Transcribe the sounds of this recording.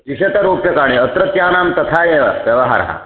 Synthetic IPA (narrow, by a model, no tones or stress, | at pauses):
iɕet̪ɐɾoːpjɐkaːɽ̃eɐt̪ɾɐt̪jaːnaːmt̪ɐt̪ʰaːjeʋjɐʋɐɦa̰ɾɦa̰